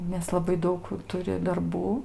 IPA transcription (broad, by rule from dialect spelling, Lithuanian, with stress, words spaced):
nʲɛs lˠɐˈbɐɪ ˈdɐʊk ˈtʊrʲɪ dɐrˈbuː